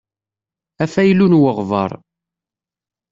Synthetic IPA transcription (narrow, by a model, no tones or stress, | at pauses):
æfæjlunwəʁvə̰ɾˤ